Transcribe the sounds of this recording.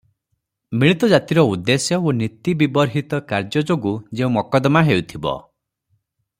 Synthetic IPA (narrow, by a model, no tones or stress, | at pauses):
miɭit̪ɔd͡ʒat̪iɾɔud̪ːesjɔonit̪ibibɔɾɦit̪ɔkaɾd͡ʒɔd͡ʒoɡud͡ʒeũmɔkɔd̪maɦewt̪ʰibɔ̰